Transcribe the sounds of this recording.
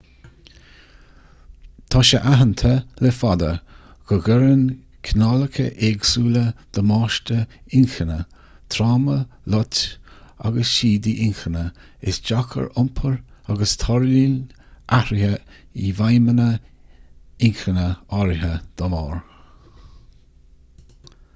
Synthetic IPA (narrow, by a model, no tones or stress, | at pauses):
t̪ʰɔʃəʔaɦənt̪ʰəlɛfad̪ə̰ | ɡ̥əɡəɾən | kʰnaləkʰəʔeɡsuːləd̪̥əmɑːʃtəɪŋxənə | t̪ʰɾaːməlɔt | a̰ɡəsʃiːd̪iʔɪŋxənə | ɪsd͡ʒakʰə̰ɹʊmpʰəɹ | aɡəst̪ʰɔɹlin | ʔaɾɪhə | ivajmənə | ɪŋxənəɔɾɦəd̪̥əmɔːɹ